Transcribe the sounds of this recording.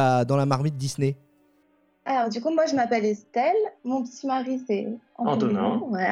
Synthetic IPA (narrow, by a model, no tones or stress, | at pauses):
ad̪ɑ̃lamaʁmit̪̚d̪isne | alɔʁd̪ykumwaʒəmapɛlest̪ɛlmɔ̃pət̪ʰimaʁisɛɑ̰̃ɑ̃ñwɛ